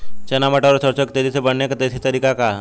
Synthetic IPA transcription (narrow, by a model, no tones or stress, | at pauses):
t͡ʃɐnaməʈaɾsəɾt͡ʃokt̪eːd͡ʒisebɐɽnekat̪esit̪əɾiːkaka